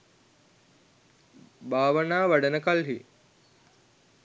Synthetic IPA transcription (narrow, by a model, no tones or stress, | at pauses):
baːʋənaːʋaɖənəkalɦi